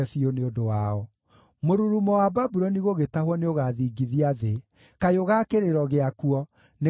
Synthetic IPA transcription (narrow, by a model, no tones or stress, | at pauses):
ɛfioneodowaɔ | moɾuɾumɔwababuɾɔniɣoɣetahwɔneoɣaðiːɡiðiaðe | kajoɣakeɾeɾɔɣeakuɔ | ne